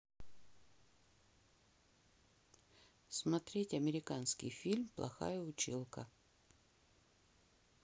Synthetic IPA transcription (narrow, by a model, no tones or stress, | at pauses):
smɐt̪ɾʲetʲɐmʲɪɾʲɪkanskʲɪ̰jfʲilʲmplˠɐ̰xa̰jəʊt͡ɕilˠkə